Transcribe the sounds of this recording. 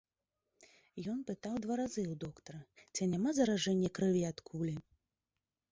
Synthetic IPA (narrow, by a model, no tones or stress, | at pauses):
jɔnpɨt̪awd̪vaɾazɨwd̪ɔkt̪ɐɾɨt͡sʲinʲamazɐɾaʐɛnʲːɛkɾɨvʲiat̪kʰulʲi